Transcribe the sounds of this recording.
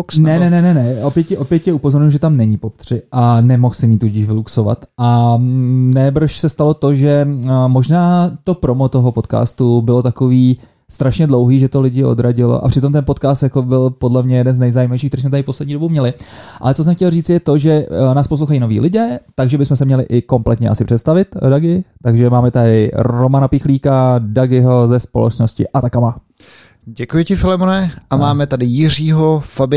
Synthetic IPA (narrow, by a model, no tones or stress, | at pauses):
ksnɛnɛnɛnɛnɛopjɛcɛʔopjɛt̪cɛupo̞zo̞ɾɲuuʒɛt̪amnɛɲɪpopt̪r̝̥ɪʔanɛmo̞xsɪmiːt̪uɟɪʃvɪluksova̰t̪ʔa | nɛːbr̩ʃsɛst̪alo̞t̪o̞ʒɛmo̞ʒnaːt̪o̞pɾo̞mot̪o̞ɦopo̞t̪ka̰ːst̪ubɪlo̞t̪akoviː | st̪ɾaʃɲɛdlo̞wɦiːʒɛt̪olɪɟɪo̰d̪ɾaɟɪlo̰ʔa̰pr̝̥ɪt̪o̞mt̪ɛnpo̞t̪kaːst̪jako̞bɪlpodlɛmɲɛjɛdɛnznɛjzajimavjʃ̬iːkt̪ɛɾiːsmɛt̪aɾɪpo̞slɛdɲiːdo̞bumɲɛlɪʔa̰lɛt͡so̞s̬ɛmxcɛlriːt͡sɪjɛt̪o̞ʒɛnaːspos̬lowxajiːno̞vḭːlɪɟɛːt̪aɡʒɛbɪsmɛsɛmɲɛlɪʔɪko̞mplɛt̪ɲɛʔasɪpr̥ɛt̪st̪avɪt̪daɡɪt̪aɡʒɛmaːmɛt̪adɪɾomanapɪxliːkadaɡɪɦo̞zɛspolɛ̰t͡ʃno̞scɪ̰ʔat̪akama | ɟɛkujɪcɪfɪlɛmonɛʔamaːmɛt̪adɪjɪr̝iːɦofabɪ